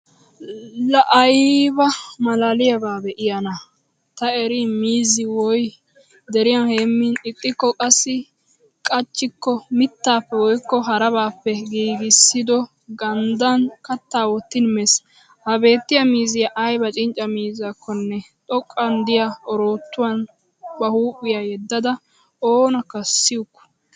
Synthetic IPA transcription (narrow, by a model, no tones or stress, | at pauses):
lɐʔɐjbɐmɐlaːlɪjɐbaːbɛʔɪjɐnɐ | t̪ɐɛɾɪmiːzɪwɔj | d̪ɛɾɪjɐnheːmːɪnɪt̪ʼːɪkːɔkʼɐsːɪ | kʼɐt͡ʃːɪkːɔmɪt̪ːaːpːɛwɔjkːɔɦɐɾɐβaːpːɛɡiːɡɪsːɪd̪ɔ | ɡɐnd̪ɐnkɐt̪ːaːwɔt̪ːɪnmɛs | hɐbe̞ːt̪ːɪjɐmiːzɪjɐʔɐjbɐt͡ʃʼɪnt͡ʃʼːɐmiːzaːkʰːɔnːɛt̪ʼɔkʼːɐnd̪ɪjaɔɾo̞ːt̪ːʊwɐn | bɐhuːpʼːɪjajɛd̪ːɐd̪ɐ | oːnɐkːɐsːɪjʊkːɔ̥